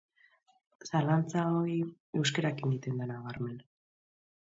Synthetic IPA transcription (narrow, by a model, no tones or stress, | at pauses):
salant͡saoi | e̞wskaɾakind̪it̪end̪anaɣaɾme̞n